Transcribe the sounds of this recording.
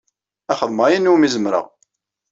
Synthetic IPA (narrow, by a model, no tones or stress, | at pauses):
æχəðˤmæjinːumizəmɾə̰ʁ